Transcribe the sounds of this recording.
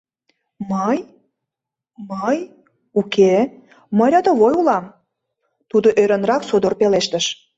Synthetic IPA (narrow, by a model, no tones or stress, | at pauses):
məj | məj | uke | məɾɑd̪əβojulɑm | t̪ud̪oʔøɾənrɑksod̪orpeleʃt̪ə̆ʃ